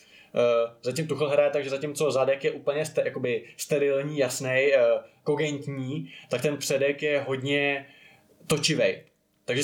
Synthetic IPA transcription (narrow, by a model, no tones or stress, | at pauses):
zacɪmt̪uxl̩ɦɾajɛt̪aɡʒɛzacɪmt͡so̞zadɛkjɛʔuːpl̩ɲɛst̪jakobɪst̪ɛɾɪlɲiːjasnɛjko̞ɡɛnt̪ɲiːt̪ak̚t̪ɛnpr̥ɛdɛkjɛɦo̞dɲɛ | t̪o̞t͡ʃɪvɛj | t̪aɡʒɛ